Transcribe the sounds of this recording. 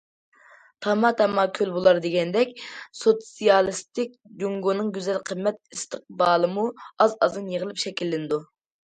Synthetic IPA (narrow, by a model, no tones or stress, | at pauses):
t̪ʰɑmɑt̪ʰɑmɑkʲʰølbolˠɑɾd̪eɡʲɛnd̪ɛkʲsot̪sijɑlˠɨst̪ɪk̚ʲd̪yŋɡonɨŋɡʲyzɛlqʰəmːɛt̪̚ist̪əq̚bɑːlˠɨmuɑzɑzɨnjəʁəlˠɨpʃɛkʲilːɪnɨd̪u